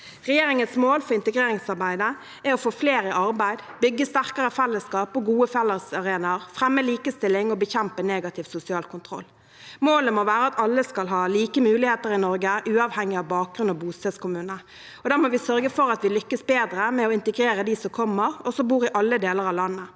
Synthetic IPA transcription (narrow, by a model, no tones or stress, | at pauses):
ʁɛjeːɾɪŋənsmoːlfɔɾɪnt̪əɡɾeːɾɪŋsɑʁbæɪd̪ə | ɛɾɔfoːfleːɾɪʔɑɾbæɪd̪bʏɡːəst̪æʁkəʁəfɛlːəskɑːpɔɡuːəfɛlːəʁsɑʁeːnəʁfʁɛmːəliːkəst̪ɪlːɪŋɔbəçɛmpəneːɡɑt̪ʰɪʋsʊsɪɑːlkʰʊnt̪ʰʁɔ̰lː | moːləmɔʋæːʁəɑt̪ɑlːəskɑlɦɑːliːkəmʉːlɪheːt̪əɾɪnɔɾɡəʔʉːɑʋhɛŋːɪɑʋbɑːk̚ɡʁʉnɔbuːst̪ɛt̪skʰʊmʉːnə | ɔd̪æːʁmɔʋɪsœʁɡəfɔɾɑt̪ʋɪlʏkːəsbeːd̪ɾəmɛɔɪnt̪əɡɾeːɾəd̪isɔmkʰɔmːəʁɔsɔbuːɾɪʔɑlːəd̪eːləɾɑʋlɑnːə